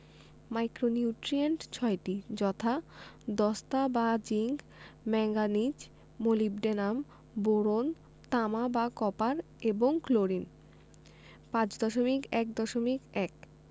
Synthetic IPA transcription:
majkɾoniuʈɾieɳʈt͡ɕʰɔeʈid͡ʑɔt̪ʰad̪ɔst̪abad͡ʑiŋɡ | mɛŋɡanid͡ʑ | molib̚ɖenam | boɾon | t̪amabakɔpaɾ | eboŋkloɾin | pãt͡ɕd̪ɔʃomikɛk̚d̪ɔʃomikɛk

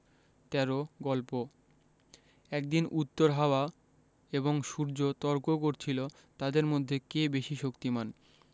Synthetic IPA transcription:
t̪ɛɾoɡɔlpo | ɛk̚d̪inʔut̪ːoɾɦaoa | eboŋʃuɾd͡ʑot̪ɔɾkokoɾt͡ɕʰilo | t̪ad̪eɾmod̪ʱːekebeʃiʃokt̪iman

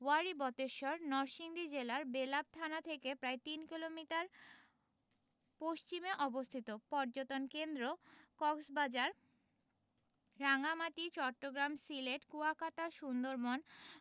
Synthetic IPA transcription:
waɾibɔt̪eʃɔɾnɔɾʃiŋd̪id͡ʑelaɾbelab̚t̪ʰanat̪ʰekepɾaet̪inkilomiʈaɾ | poʃt͡ɕimeʔɔbost̪ʰit̪opɔɾd͡ʑot̪onkend̪ɾokɔksbad͡ʑaɾ | aŋamat̪it͡ɕɔʈːoɡɾamsileʈkuakat̪aʃund̪oɾmon

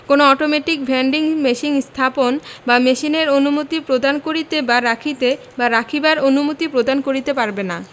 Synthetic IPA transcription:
konoɔʈomeʈik̚bʱɛɳɖiŋmeʃiŋst̪ʰaponbameʃineɾonumot̪ipɾod̪ankoɾit̪ebaɾakʰit̪e | baɾakʰibaɾonumot̪ipɾod̪ankoɾit̪epaɾbena

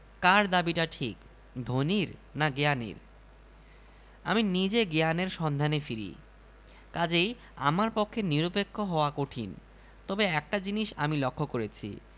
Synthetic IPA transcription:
kaɾd̪abiʈaʈʰik | d̪ʱoniɾnaɡeanḭɾ | a̰minid͡ʑeɡeaneɾʃɔnd̪ʱanefiɾḭ | kad͡ʑej | a̰maɾpokʰːeniɾopekʰːoɦɔoakoʈʰin | t̪ɔbeɛk̚ʈad͡ʑiniʃamilokʰːokoɾet͡ɕʰḭ

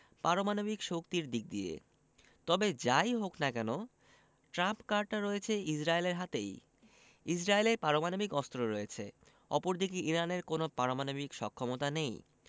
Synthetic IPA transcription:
paɾomanobikʃokt̪iɾd̪ik̚d̪iḛ | t̪ɔbed͡ʑajɦoknakɛno | ʈɾampkaɾɖ̚ʈaɾɔet͡ɕʰeid͡ʑɾaeleɾɦat̪ej | isɾaeleɾpaɾomanobikɔst̪ɾoɾɔjet͡ɕʰe | ɔ̰poɾd̪ikiʔiɾaneɾkonopaɾomanobikʃɔ̰kʰːɔmot̪anej

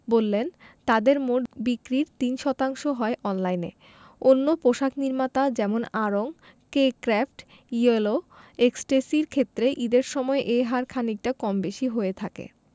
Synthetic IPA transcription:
bolːent̪ad̪eɾmoʈbikɾiɾt̪inʃɔt̪aŋʃoɦɔeʔɔnlajnḛ | onːopoʃakniɾmat̪ad͡ʑɛmonaɾoŋ | kekɾafʈ | ieloeksʈesiɾkʰet̪ːɾeʔid̪eɾʃɔmɔeʔejɦaɾkʰanik̚ʈakɔmbeʃiɦoet̪ʰakḛ

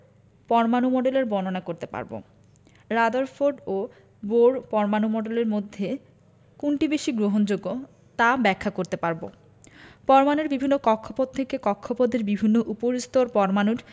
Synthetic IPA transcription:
pɔɾmanumɔɖeleɾbɔnonakoɾt̪epa̰ɾbo̰ | ɾad̪oɾfoɾɖo | boɽpɔɾmanumɔɖeleɾmod̪ʱːe | kuɳʈibeʃiɡɾoɦond͡ʑoɡːo | t̪abɛkʰːakoɾt̪epaɾbo̰ | pɔɾmaneɾbibʱinːokɔkʰːopod̪̚t̪ʰekekɔkʰːopod̪eɾbibʱinːoʔupoɾist̪oɾpɔɾmanuʈ

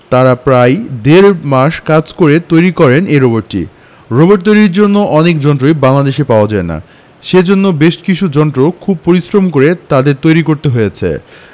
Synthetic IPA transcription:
t̪aɾapɾajd̪eɾmaʃkad͡ʑkoɾet̪ojɾikɔɾeneɾoboʈʈːḭ | ɾoboʈ̚t̪ojɾiɾd͡ʑonːoʔɔnekd͡ʑɔnʈɾojbaŋlad̪eʃepaoad͡ʑaena̰ | ʃed͡ʑonːobeʃkit͡ɕʰud͡ʑɔnʈɾokʰub̚poɾisɾomkoɾet̪ad̪eɾt̪ojɾikoɾt̪eɦojet͡ɕʰḛ

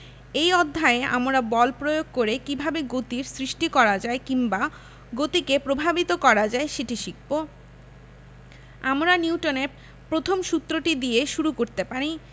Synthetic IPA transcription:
ejɔd̪ʱːaea̰mɾabɔlpɾojoɡ̚koɾekibʱabeɡot̪iɾsɾiʃʈikɔɾad͡ʑaekimba | ɡot̪ikepɾobʱabit̪okɔɾad͡ʑaeʃeʈiʃik̚bo | amɾaniuʈone | pɾot̪ʰomʃut̪ːɾoʈid̪ijeʃuɾukoɾt̪epaɾi

